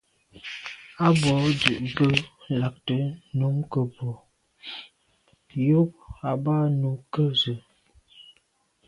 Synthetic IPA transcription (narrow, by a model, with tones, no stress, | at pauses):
a˦bɔ˨˦dʉ˨ʔbə˦la˨k̚tə˨˦nu˨˦mkə˨bɔ˨ | jo˦p̚a˨ba˦nu˨˦kə˦zə˨